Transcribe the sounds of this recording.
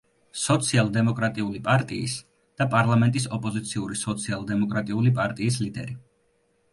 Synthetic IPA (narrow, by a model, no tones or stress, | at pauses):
sɔt̪sʰialˠd̪ɛmɔkʼɾat̪ʼiulipʼaɾt̪ʼiis | d̪̥apʼaɾlˠamɛnt̪ʼisɔpʼɔzit̪sʰiuɾisɔt̪sʰialˠd̪ɛmɔkʼɾat̪ʼiulipʼaɾt̪ʼiːs̬lid̪ɛ̰ɾi